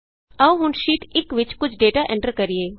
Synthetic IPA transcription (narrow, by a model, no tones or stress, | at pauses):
ɐʋɦʊnʃiːʈɪkʋɪt͡ʃkʊt͡ʃʰɖeːʈaʔɛ̃ɳʈəɾkɐɾieː